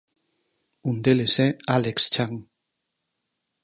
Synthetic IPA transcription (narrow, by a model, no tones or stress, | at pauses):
und̪elesealekst͡ʃaŋ